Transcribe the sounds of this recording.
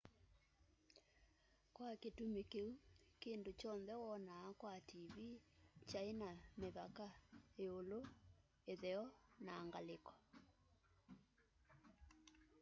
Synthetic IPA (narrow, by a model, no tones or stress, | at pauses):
kwaketumekeukeːndot͡ʃɔnðɛwɔnaːkwatiβit͡ʃaenameβakaeolo | eðɛɔnaːŋɡalekɔ̥